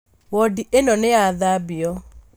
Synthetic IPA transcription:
wɔdiʔenɔneaðabiɔ

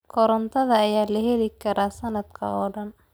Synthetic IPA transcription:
kʰɔɾɐnt̪ʰɐðɐːjaːlɐɦɛlɪkʰɐɾaːsɐnɐd̪kʰɐ̰ɔːɖɐn

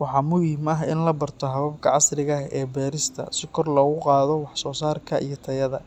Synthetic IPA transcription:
wɑħɑːmʊjiːmɐɦɪnlɐbɐrt̪ʰɔɦɐβɐbkʰɐʕɑsrɪɣɐɛːbɛːɾɪst̪ʰɐ̰sɪkʰɔrlɔːɣʊqɑːðɔwɑħsɔːsaːrkʰɐʔijɞt̪ʰɐjɐðɐ̰

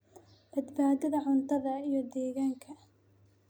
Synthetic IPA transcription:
b̥ɐd̪baːd̪ɐðɐʕʊnt̪ʰɐðɐijɞd̪ɛːɣaːŋkʰɐ

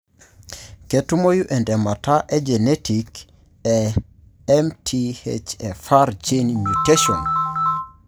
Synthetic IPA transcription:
kɛtumojuʔɛndɛmataʔɛd͡ʒɛnetik | ɛ | ɛmtʰiḛt͡ʃɛfaɾd͡ʒenmuteʃɔn

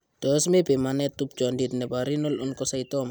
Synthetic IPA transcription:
t̪ɔsmepemanet̪up̚d͡ʒɔandit̪nebaɾinɔlɔnkɔsajt̪ɔm

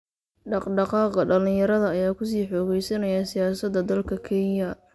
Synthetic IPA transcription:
ɖɑqɖɑqɑːqɐɖɐlɪjɐɾɐðɐːjaːkʰʊs̬iːħɔːɣɛjsɐnɐjɐsɪjaːsɐd̪ɐd̪ɐlkʰɐkʰɛnjɐ

